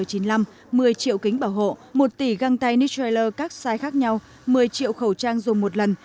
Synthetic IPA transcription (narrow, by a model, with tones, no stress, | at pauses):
əjt͡ɕi˨˦nla˧m | mɨ˨˩əjt͡ɕḭ˧˨əwki˨˦ŋ̟ɓaː˧˩wɦo̰˧˨mo˨˩t̚t̪i˧˩ɣa˧ŋt̪a˧jni˧˦˥te˧jləː˧kaː˦˥k̚saː˧jxaː˦˥k̚ɲa˧w | mɨ˨˩əjt͡ɕḭ˧˨əwxə˧˩wt͡ɕaː˧ŋzʊ˨˩ŋ͡mmo˨˩t̚lə˨˩n